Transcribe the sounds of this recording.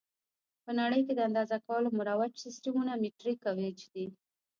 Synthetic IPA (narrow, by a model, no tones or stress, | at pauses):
pənaɽəjked̪əand̪ɑzakawəlomʊɾawat͡ʃsɪsʈamunamiʈɾikawet͡ʃd̪i